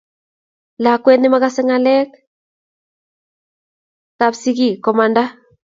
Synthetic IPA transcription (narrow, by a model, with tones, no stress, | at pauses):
la˨kwɛ˦ni˦makasɛ˦ŋalɛ˦k | kapsi˦ki˦kɔ˨ma˨nda˦